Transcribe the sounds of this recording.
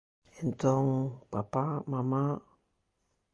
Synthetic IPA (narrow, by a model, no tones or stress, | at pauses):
ɛnt̪ɔŋpapamama